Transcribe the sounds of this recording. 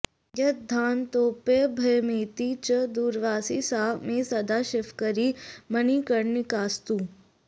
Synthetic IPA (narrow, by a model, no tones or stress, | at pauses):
jɐt̪̚d̪ʱaːnt̪oːpeːbʱɐjmeːt̪iːt͡ʃəd̪uːɾʋaːsisaːmeːsɐd̪aːʃɪfkəɾimɐniːkɐɽnikaːst̪uː